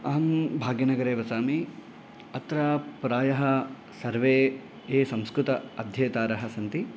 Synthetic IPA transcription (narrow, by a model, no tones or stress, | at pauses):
ɐːɐmbʱaːɡjɐnɐɡɐɾeːʋɐsaːmi | ɐt̪ɾaːpɾaːjɐɦɐ | sɐɾʋeː | eːsɐmskɾut̪ɐɐd̪ʱjɐːt̪aːɾɐɦɐsɐnt̪i